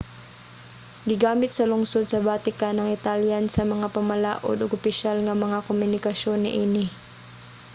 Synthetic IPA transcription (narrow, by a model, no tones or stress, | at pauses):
ɡɪɡaːmɪt̪̚sɐlʊŋsod̪̚sɐbaːt̪ɪkanɐŋɪt̪aljansɐmɐŋapɐmɐla̰ːʔo̰d̪ʊɡʊpɪʃalŋɐmɐŋakomʊnɪkɐʃonːɪ̰ʔiːnɪ